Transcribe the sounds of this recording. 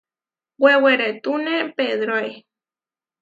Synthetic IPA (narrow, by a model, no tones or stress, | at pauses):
wʷeweɾet̪unepeðɾoe